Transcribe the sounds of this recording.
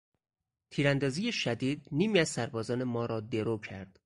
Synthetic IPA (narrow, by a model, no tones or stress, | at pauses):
t̪ʰiːɾænd̪ɒːziːjeʃæd̪iːd̪niːmiːæzsæɾbɒːzɒːnemɒːɾɒːd̪e̞ɾoːcʰæɾd̪̥